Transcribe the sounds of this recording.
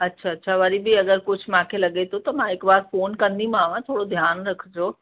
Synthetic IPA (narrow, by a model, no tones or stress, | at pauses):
ɐtːɕʰaɐtːɕʰaʋɐɾibɪɐɡəɾkʊ̆mãkʰelɐɡet̪ʰot̪ɐmãɦɪkbaːɾfoːnkɐ̃nd̪imãʋãt̪ʰoːɽod̪ʱjaːnɾɐkʰd͡ʑoː